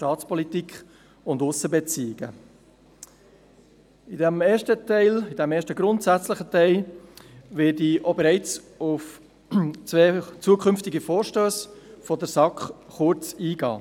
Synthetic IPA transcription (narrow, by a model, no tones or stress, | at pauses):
ʃtɑːt͡spɔlitikχ | ʊndʊsəbɛt͡siːɪɡ̥ə̰ | ɪdɛmeːʃtətɛɪlɪd̥ɛmeːʃtəɡɾʊntsæt͡sləχətɛɪl | vɪːdiʔobɛɾæɪt͡s | ʊf | t͡sʋeːt͡suəkʰχʏmftɪɡifoːɾʃtøːsfɔdəɾsɑkχχʊɾt͡siːɡɑ̰ː